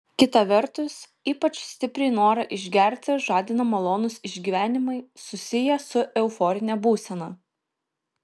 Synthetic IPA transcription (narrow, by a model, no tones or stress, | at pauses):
kʲɪt̪ɐʋʲɛɾt̪ʊs | iːpɐt͡ʃsʲt̪ʲɪpʲɾʲɛɪnoːɾɐʔɪʒʲɡʲɛɾʲt̪ʲɪʒɑːd̪ʲɪnɐmɐlˠoːnʊsɪʒʲɡʲiːʋʲæːnʲɪmɐɪsʊsʲɪjɛsʊʔɛʊfɔːɾʲɪnʲɛbuːsʲɛnɐ